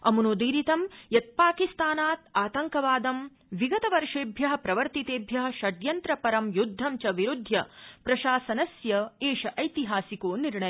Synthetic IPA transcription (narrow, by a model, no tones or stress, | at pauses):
ɐmunoːd̪iːɾit̪ɐmjɐt̪̚paːkist̪aːnaːt̪aːt̪ɐŋkɐʋaːd̪ɐm | ʋiɡɐt̪ɐʋɐɾʂeːbʱjɐɦɐ̆pɾɐʋɐɾt̪it̪eːbʱjɐɦɐ̆ʃɐɖjɐnt̪ɾɐpɐɾɐmjud̪ʱːɐmt͡ʃɐʋiɾud̪ʱjɐpɾɐʃaːsɐnɐsjɐeːʃɐʔɐjt̪iɦaːsikoːniɾɳɐj